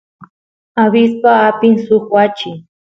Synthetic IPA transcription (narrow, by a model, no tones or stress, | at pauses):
aβɪspaːpɪŋsʊχwat͡ʃɪ